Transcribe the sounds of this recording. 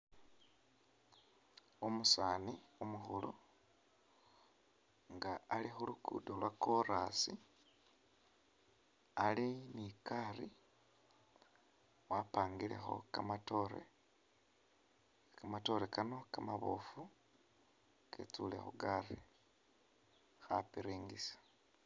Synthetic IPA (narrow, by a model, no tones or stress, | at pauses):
omusaːniomuxulu | ŋɡaːlixulukṵːdolwakoɾasi | alinikari | wapaːŋɡilḛxo̞̰kamatoɾḛ | kamato̞ɾekano̞kamaβofu | kḛt͡sulḛxoɡari | xa̰piɾiːŋɡisḁ